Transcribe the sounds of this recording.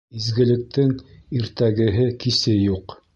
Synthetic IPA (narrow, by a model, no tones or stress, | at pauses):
izɡɘ̆lɘ̆k̚t̪ɘŋiɾt̪æɡɘ̆ɦɘkisɘjuq